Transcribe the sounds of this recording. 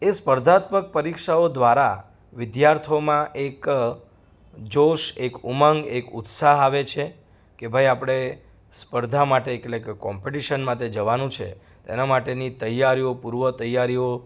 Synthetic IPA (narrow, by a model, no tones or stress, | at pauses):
espəɾd̪ʱat̪mək̚pəɾikʃaod̪ʋaɾa | ʋɪd̪jaɾt̪ʰomãʔek | d͡ʒoʃekuməŋɡekʊt̪saɦaʋet͡ʃʰe | kebʱajapɽ̃e | spəɾd̪ʱamaʈeːkllekekɔmpeʈiʃənmãt̪ʰed͡ʒəʋanũt͡ʃʰḛ | t̪ḛnamaʈenit̪əjːaɾijopuɾʋət̪əjaɾio